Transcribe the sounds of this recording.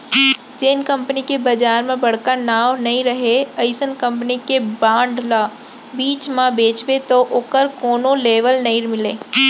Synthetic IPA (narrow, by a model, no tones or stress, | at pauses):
d͡ʒeːɪnkɐ̃mpənikebɐd͡ʒaːɾmẽbɐɽ̤kanaːwnɐɦĩɾɐɦeəɪsənkɐ̃mpənikebãːɳɖlaː | biːt͡ʃmãbeːt͡ʃbet̪oʔoːkəɾkoːnoleːʋəlnɐɦĩɾmɪleː